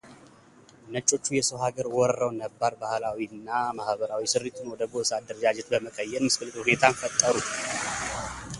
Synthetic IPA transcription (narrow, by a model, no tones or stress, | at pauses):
nət͡ʃʼːo̞t͡ʃːujɛsəwɦaɡəɾwɔɾəɾəwnəbːaɾbahlawiɨnːamahbəɾawisɨrːit̪ʰunwɔd̪əɡoʔɨsad̪ːəɾəd͡ʒad͡ʒɛt̪bəməkʼəjːɛɾmɨskɨlːɨt̪ʼhune̞t̪ʰanfət̪ʼːəɾu